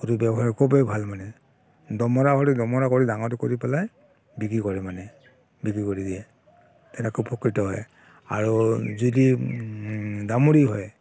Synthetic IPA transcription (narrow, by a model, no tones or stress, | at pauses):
kutubɛbɔɦakʰubebʱalmanɛ | dɔmɔɹaɦɔɹidɔmɔɹakoɹidaŋɔtukoɹipɛlaj | bikɹikɔɹɛmanɛ | bikɹikoɹidiɛ | tɛnɛkupʰɔkɹitɔɦɔ̰j | a̰ɹuzudi | damuɹiɦɔj